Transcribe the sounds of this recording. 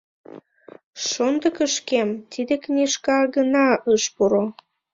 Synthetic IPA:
ʃond̪əkəʃkemt̪id̪eknʲeʃkɑɡənɑəʃpuɾo

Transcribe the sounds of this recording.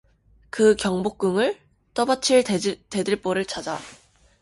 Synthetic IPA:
kɯkjʌŋbok̚k͈ɯŋɯɭ | t͈ʌbat͡ɕʰiɭte̞dɯɭp͈oɾɯɭt͡ɕad͡ʑa

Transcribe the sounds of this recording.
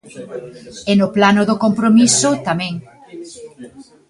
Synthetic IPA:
enʊplanʊðokompɾomisʊt̪amɛ̃ŋ

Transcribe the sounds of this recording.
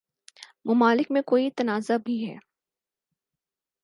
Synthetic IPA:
mʊmaːlɪkmẽkoːit̪ɐnaːzabʱiɦɛ̰ː

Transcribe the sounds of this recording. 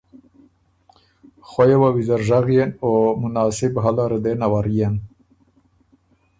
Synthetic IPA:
xojewawizaɾʒaɣjenomunɑːsibɦalaɾed̪enawaɾijen

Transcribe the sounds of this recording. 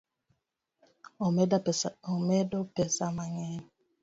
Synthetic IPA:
omedopesamaŋe

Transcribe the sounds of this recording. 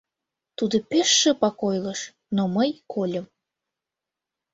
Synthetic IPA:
t̪ud̪ŏpeʃːĕpɑkojləʃ | noməjkʰolʲəm

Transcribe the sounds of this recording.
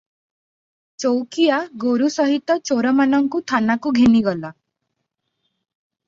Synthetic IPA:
t͡ʃowkiaɡoɾusɔɦit̪ɔt͡ʃoɾɔmanɔŋkut̪ʰanakuɡʱeniɡɔla

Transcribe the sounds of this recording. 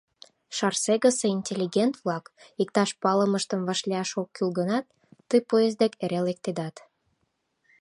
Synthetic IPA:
ʃɑrseɣəseinʲtʲelʲːiɡʲent̪vlɑk | ik̚t̪ɑʃpɑləməʃt̪əmvɑʃleɑʃokːylɣənɑt̪ː | əjpojezd̪ekeɾelek̚t̪ed̪ɑt̪

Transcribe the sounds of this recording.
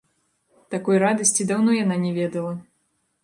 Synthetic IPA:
t̪akɔjrad̪ɐsʲt͡sʲid̪awnɔjananʲɛvʲɛd̪ɐlˠɐ

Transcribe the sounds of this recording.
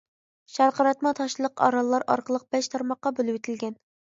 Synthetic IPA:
ʃæɾqʰɑɾɑt̪mɑt̪ʰɑʃlˠəqɑ̰ɾɑlˠːɑɾɑ̰ɾqəlˠəq̚b̥ɛʃt̪ʰɑɾmɑqːɑbølˠuwet̪ʰɪlɡʲɛn

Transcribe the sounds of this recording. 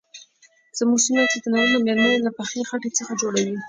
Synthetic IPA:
z̥amuɡsunat͡ʃed̪ənaɾimamelmanolapaxexaʈet͡səxad͡ʒoɽawi

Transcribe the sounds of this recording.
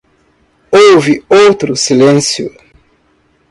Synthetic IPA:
owvɪowt̪ɾʊsilẽsjʊ

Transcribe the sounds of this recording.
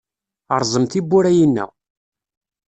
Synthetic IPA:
əɾˤzˤəmt̪ibːuɾæjinːæ̰

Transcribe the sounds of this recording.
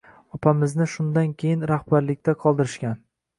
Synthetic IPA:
ɒpʰamɪznɪʃʊnd̪ankʲʰejɪnɾahbaɾlɪkʲt̪aqʰɒlˠd̪ɪɾɪʃkʲan

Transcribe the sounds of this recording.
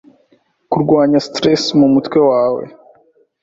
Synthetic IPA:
kuɾɡwaːɲastɾesmumutkwe̞waːwe̞̰

